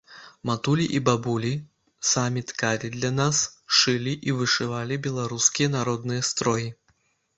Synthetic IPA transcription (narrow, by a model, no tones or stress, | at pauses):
mat̪ulʲiʔibabulʲi | samʲit̪kaɾʲid̪lʲɐnasʂɨlʲiʔivɨʂɨvalʲibʲɛlˠaɾuskʲijɐnaɾɔd̪nɨjɐst̪ɾɔji